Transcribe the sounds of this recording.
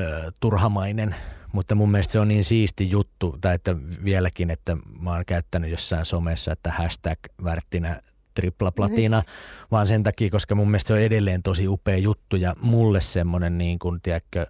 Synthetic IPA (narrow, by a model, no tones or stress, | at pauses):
t̪urhɑmɑinenmut̪ːɑmumːielest̪seonniːnsiːst̪ijut̪ːut̪ɑiet̪ːæʋiælækinet̪ːæmɑːŋkæyt̪ːænyjjosːɑinsomesːɑet̪ːæhæst̪ækʋært̪ːinæ | t̪riplɑplɑt̪inɑʋɑːnsent̪ɑkiːkoskɑmumːelest̪seoedelːeːnt̪osiupeːjut̪ːujɑmulːessemːonenniːŋkunt̪iækːø